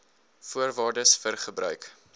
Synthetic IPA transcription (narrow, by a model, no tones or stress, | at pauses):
fuərvɑːrdəsfərχəbɾœ̰ɥk